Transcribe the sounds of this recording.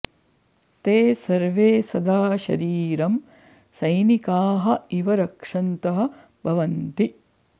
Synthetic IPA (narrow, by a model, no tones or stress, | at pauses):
t̪eːsɐɾʋeːsɐd̪aːʃɐ̰ɾiːɾɐm | sɐjnikaːɦɐ̆iʋɐɾɐkʂɐnt̪ɐɦɐ̆ | bʱɐʋɐnt̪i